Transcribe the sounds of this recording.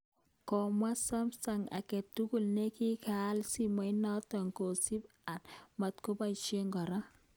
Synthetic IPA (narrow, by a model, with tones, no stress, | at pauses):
kɔ˨mwa˦sa˦msa˨ŋa̰˨kɛ˨tːu˦ku˨lne˦ki˦ka˨˦lsi˦ma˨jna˦tɔ˨ŋko˨si˦p | a˨nma˨tko˦ba˦it͡ʃe˦ŋɡɔ˨ɾa˦